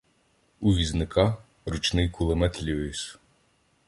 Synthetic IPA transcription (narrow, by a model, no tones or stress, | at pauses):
uʋʲiznɪkʰɑ | ɾut͡ʃnɪjkʊlˠemɛt̪lʲuis